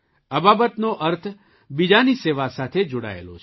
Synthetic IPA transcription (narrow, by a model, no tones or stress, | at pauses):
əbaːbət̪noʔəɾt̪ʰ | bid͡ʒaniseʋasat̪ʰed͡ʒoːɽa̰ḛlo̰t͡ʃʰ